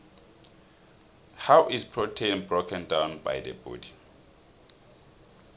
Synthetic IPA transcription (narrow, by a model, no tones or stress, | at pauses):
hawʔispʰɹɔtʰẽn̚bɹokʰɛ̃ndãwnba̰jdə̰bṵdi